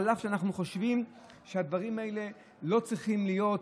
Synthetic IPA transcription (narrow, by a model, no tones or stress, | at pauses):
laχʃeanaχnuχo̞ʃvim | ʃead̪vaʁimaele | lo̞t͡sʁiχimlijo̞t